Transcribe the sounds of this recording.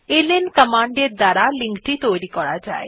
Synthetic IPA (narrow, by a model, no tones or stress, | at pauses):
elenkəmaɳɖeɾd̪aɾaliŋkʈit̪ojɾikɔɽad͡ʒa̰e